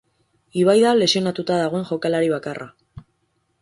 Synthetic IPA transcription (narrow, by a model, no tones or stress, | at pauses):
iβ̞ajðale̞sio̞nat̪ut̪aðaɣ̞o̞e̞nʝo̞kalaɾiβ̞akarʔa̰